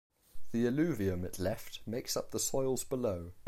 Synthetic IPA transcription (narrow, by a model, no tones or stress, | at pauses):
ðiɪlʉːviə̃mɪʔʰlɛftmeɪksʌp̚ðəsɔɪlˠzbələʊ